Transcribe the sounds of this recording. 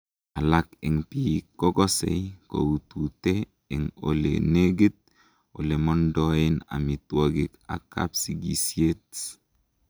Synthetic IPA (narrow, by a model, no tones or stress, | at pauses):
alak̚iŋpikoɡosḛjko̰wutute | iŋo̰lḛneɡit̪̚ | olemondoena̰mitwoɡika̰kːa̰psiɡisiet